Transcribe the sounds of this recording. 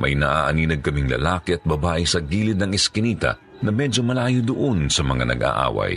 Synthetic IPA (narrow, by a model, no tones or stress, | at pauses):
mʔɐ̰jnɐʔaʔɐniːnɐɡ̚kɐmɪŋlɐ̰laːkɪɛɐt̪̚bɐbaːʔɪsɐɡiːlɪt̪̚nɐŋɪskɪniːt̪ɐ̰ | nɐmɛd͡ʒomɐlaːjod̪oʔonsɐmɐŋa̰nɐ̰ɡʔa̰ʔa̰ːwɐ̰j